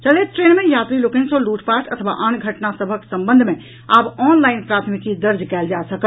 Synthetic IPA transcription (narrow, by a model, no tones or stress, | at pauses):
t͡ʃəleʈɾeːnmẽjaːt̪ɾilʊkɪ̃ŋsoluːʈʰpaːɾʈɐt̪ʰʋa̰ʔanɡʱəʈnasəbʱəksɐ̃mbə̃nd̪ʱmẽ | aːbɔːnlaːɪnpɾaːt̪ʰmɪkid̪ɐɾd͡ʒkɛːld͡ʒaːsəkə